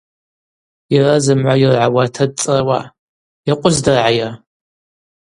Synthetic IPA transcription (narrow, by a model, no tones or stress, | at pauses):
jɪrɐzɨmʕʷajɪrʕawatʰɐd̚t͡sʼɨrwa̰ː | jɛqʷʼʊzdɐrʕaja